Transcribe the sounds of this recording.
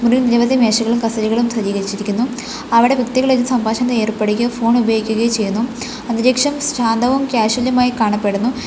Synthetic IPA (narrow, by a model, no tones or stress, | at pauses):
munilniɾɐbɐðimeːʂɐɣɐɭumkɐst̪ɐɾiɣɐɭumsɐɾiːɣɐɾit͡ɕːiɾikʲːunːu | ɐʋiɽe̞bʱɐkt̪iɣɐɭenːusɐmbʱaːʂɐnd̪ɐeːrpeɽukʲːɐfo̞ːɳubʱɐjːɡikʲːuɣɐjut͡ɕe̞jːunːu | ɐniɾeːkʂɐmɕaːnd̪ʱɐʋɐmkʲaːɕuʋɐljɐmaːjikaːɳɐpːe̞ɽunːu